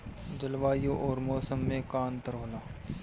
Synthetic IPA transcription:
d͡ʒəlʋaːjoʔɔːɾmɔːsəmːẽkaːnt̪əɾɦoːlaː

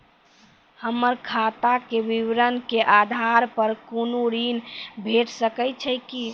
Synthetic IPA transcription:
həmːəɾkʰat̪akeʋiʋɾənkeʔad̪ʱaɾpəɾkunuɾinbʱeʈʰsəkət͡ʃʰəki

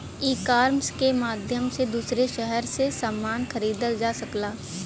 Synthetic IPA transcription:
iːkaːɾmskemaːd̪ʱjəmsed̪uːsɾeʃɛɦɛɾsesamːaːnxɐɾiːd̪əld͡ʒaːsɐklaː

